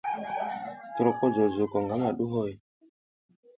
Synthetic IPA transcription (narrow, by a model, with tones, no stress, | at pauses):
tɾo˨kɔ˦zo˨zu˨kɔ˨ŋɡa˦ŋa˨ɗu˦ɦo˦˨j